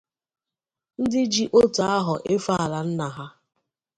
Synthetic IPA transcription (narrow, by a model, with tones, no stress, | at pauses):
n̩˦dɪ˦d͡ʒi˦ʔo˦ta˨a˦ɦʊ˨ʔe˦fa˦a˨la˨n̩˦na˨ɦa˦